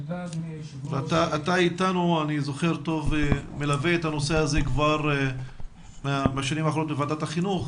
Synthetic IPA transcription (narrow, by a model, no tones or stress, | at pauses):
veat̪aat̪aitanuanizo̞χeʁto̞vemelaveetano̞se̞azekvaʁ | meameaʃanimaːχoot̪bevad̪ataχinuχ